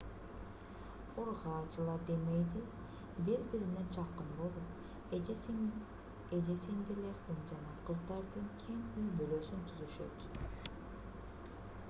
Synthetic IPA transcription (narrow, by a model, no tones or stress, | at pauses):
uɾʁɑːt͡ʃɯlˠɑd̪e̞me̞jd̪i | biɾbiɾined͡ʒɑqːɯnbo̞lˠup | ed͡ʒesind̪ile̞ɾd̪ind͡ʒɑnɑqʰɯzd̪ɑɾd̪ɯŋkʲʰeŋyjbyløːsynt̪ʰyzyʃø̞̰t̪